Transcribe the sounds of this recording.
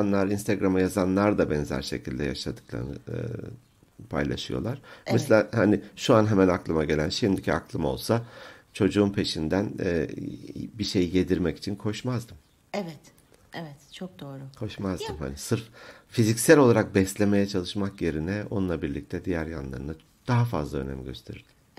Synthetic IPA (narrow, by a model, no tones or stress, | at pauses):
anlˠaɾinst̪ʰeɡɾamɯjazanlˠaɾd̪abɛnzæ̰ɾʃe̞̰cʰilʲd̪ɛ̰ja̰ʃad̪ɯ̥klˠa̰ɾnɯ̰ | pʰa̰jlˠa̰ʃɯjo̞̰lˠaɾ̥mɛslʲaːhaniʃuanɦemænaklˠɯmaɟe̞lʲænʃimd̪icʰiaklˠɯmo̞̰lˠsa | t͡ʃʰo̞d͡ʒuunpʰe̞ʃind̪æn | biʃe̞jije̞d̪iɾmɛci̥t͡ʃʰinkʰo̞ʃmazd̪ɯm | ɛvɛt̪ | ɛvɛt̪t͡ʃʰok̚d̪oːɾʊkʰo̞ʃmazd̪ɯmha̰nisɯɾffizicsælʲo̞lˠaɾak̚bɛslʲe̞me̞jɛt͡ʃʰalˠɯʃmakje̞ɾinɛo̞nunˠabiɾlʲic̚t̪ʰɛd̪ijæɾja̰nlˠa̰ɾɯna | d̪̥aɦafazlˠaø̞̰nɛ̰mɟø̞st̪ʰe̞ɾḭɾd̪̥im